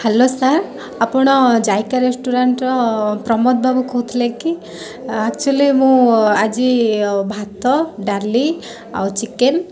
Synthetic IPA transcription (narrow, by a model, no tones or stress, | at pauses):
hɛlosaɾ | apɔɽ̃ɔd͡ʒajkaɾesʈuɾaɳʈɾɔpɾɔmɔt̪̚bʱabukʰɔut̪ʰileki | akt͡ʃualimũad͡ʒibʱat̪ɔɖaɾli | a̰wt͡ʃiken